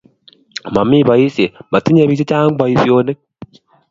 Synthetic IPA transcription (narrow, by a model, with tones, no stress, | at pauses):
ma˨mi˦βa˨i˦se˨ba˨ti˦ɲe˨βi˨se˦t͡ʃaː˦ŋ˦ba˨i˦sjo˨ne˦